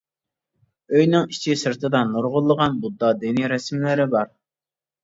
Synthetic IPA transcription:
øjnɪŋit͡ʃʰisɨɾt̪ʰɨd̪ɑnːuɾʁʊlˠːəʁɑnbud̪ːɑd̪ɪniɾɛsmlɪɾɪbɑɾ

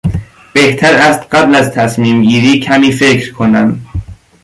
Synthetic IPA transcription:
b̥eht̪ʰæɾæst̪ɢæblæzt̪ʰæsmiːmɡiːɾiːcʰæmiːfecʰɾkʰonæm

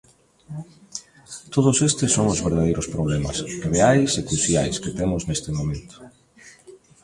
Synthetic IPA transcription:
t̪oðʊsest̪ɪsːoŋʊzβeɾðaðejɾospɾoβlemɐ̰sreajsekɾuθjajsket̪emʊznest̪ɪmomẽnt̪ʊ̥

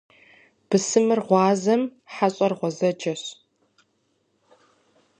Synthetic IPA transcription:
b̥ɨsɨmɨrʁʷɑːzɐmħaɕʼɐrʁʷɔzɐd͡ʒɐɕ

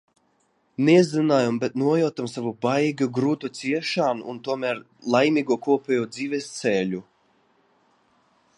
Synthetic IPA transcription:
nɛzinaːjumbet̪nuɔjawt̪amsavubajɡaɡɾuːt̪ut̪siɛʃaːnuːnt̪uɔmæɾ | lˠajmiːɡuɔkuɔpʲɛːjuɔd̪ziːvest̪sɛlu

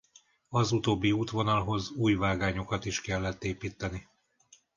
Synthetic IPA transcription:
ɒzut̪oːbːiuːt̪ʋo̞nɒlɦo̞zuːjvaːɡaːɲo̞kɒt̪iʃkɛlːɛt̪ːeːpiːt̪ːɛni

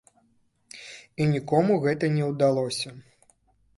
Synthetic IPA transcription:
inʲikɔmuɣɛt̪ɐnʲɛwd̪alˠɔsʲɐ

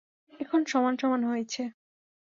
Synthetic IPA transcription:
ɛkʰonʃɔmanʃɔmanɦojet͡ɕʰe

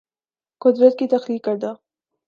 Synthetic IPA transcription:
kʊd̪ɾət̪̚kit̪axlikəɾd̪a

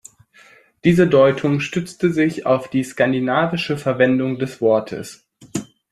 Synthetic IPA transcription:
d̥iːzədɔʏtʰʊŋʃtʏt͡stəzɪça̰ʊfd̥iːskandinaːvɪʃəfɛɐvɛndʊŋdɛsv̥ɔɐtʰə̰s

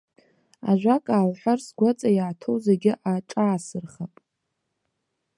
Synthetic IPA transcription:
a̰ʒᶣʷakʼaːlħʷᶣarsɡʷat͡sʼajaːtʰowzeɡʲɪʔaʈ͡ʂʼaːsɨrχapʼ

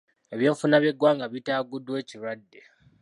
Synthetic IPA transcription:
eβje̞ːɱfunaβjeɡwaːŋɡaβitaːɡudwe̞ːciɾwadːe

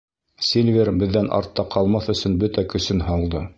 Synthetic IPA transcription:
sʲelʲvʲeɾbɘ̆ðːænʔɑ̰ɾt̪ːɑqʰɑlˠmɑθɵ̆sɵnbɵt̪ækɵ̆sɵnɦɑlˠd̪ɤ

